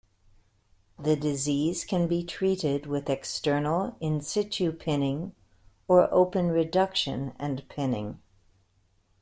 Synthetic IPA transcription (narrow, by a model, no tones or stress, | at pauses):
ðɨdɨziz̥kʰɨ̃nbitʰɹ̥iɾɪd̚wɪðɨkstɜ˞nl̩ˠɪ̃nsɪt͡ʃʉpʰɪ̃nɪ̃ŋ | ə˞ʔo̰ʊpɨ̃nɹɨdʌkʃɨ̰̃nɨ̰̃npʰɪ̃nɪ̰̃ŋ